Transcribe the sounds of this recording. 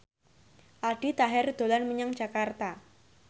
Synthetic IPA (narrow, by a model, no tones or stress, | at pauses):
ʔaɖ̥it̪aɦɛrd̪̥o̤lanməɲaŋdd͡ʒ̥a̤kart̪a